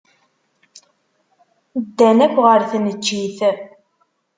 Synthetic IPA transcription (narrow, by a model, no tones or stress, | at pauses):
d̪ːænækʷːʁəɾθnət͡ʃːiθ